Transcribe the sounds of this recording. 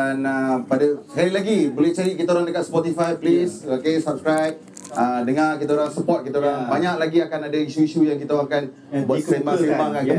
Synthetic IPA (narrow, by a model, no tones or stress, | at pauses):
anəpadaskaɾilaɡibolɛht͡ʃaɾikit̪aoɾaŋdəkat̪̚spɔt̪ifajplisokesap̚skɾajp̚ | ədəŋãrkit̪aoɾaŋsəpɔt̪̚kit̪aoɾaŋbaɲak̚laɡiakanadaiʃuiʃujaŋkit̪aakan | buaembabaŋanə